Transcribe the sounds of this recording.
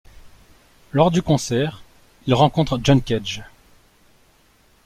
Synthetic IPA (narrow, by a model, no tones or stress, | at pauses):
lɔʁd̪ykɔ̃sɛʁ | ilʁɑ̃kɔ̃t̪χʒɔnkʲɛʒ